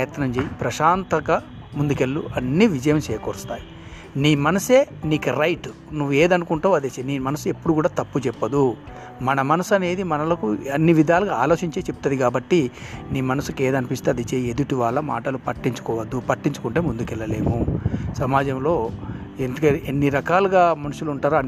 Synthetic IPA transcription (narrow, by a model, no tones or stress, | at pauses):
ɐjɐt̪nɐmd͡ʒeːjipɾɐʃaːnt̪ɐɡɐ | mund̪ukelːuɐnːiʋid͡ʒɐjɐmt͡ʃɛːɐkoːɾust̪aːji | niːmɐnɐseːniːkɐɾɐjʈ | nuʋːueːd̪ɐnukuɳʈuːɐd̪eːsɐniːmɐnɐsue̞pːuɽukuːɽaːt̪ɐpːut͡ʃɛpːɐd̪u | mɐnɐmɐnɐsɐne̞ːd̪imɐnɐlɐkuɐnːiʋid̪ʱaːlɐɡaaːlo̞ːt͡ʃiɲt͡ʃeːt͡ʃepu̥t̪ɐd̪ikaːbɐʈːiniːmɐnɐsukeːd̪ɐnipist̪eɐd̪it͡ʃeːed̪uʈiʋaːɭːɐma̰ːʈɐlupɐʈːiɲt͡ʃu̥kɔːʋɐd̪ːupɐʈːiɲt͡ʃu̥kuɳʈeːmund̪ukɛlːɐle̞ːmusɐmaːd͡ʒɐmlo̞ː | end̪ukɐenːiɾɐkaːluɡaːmɐnuʃuluɳʈaːɾa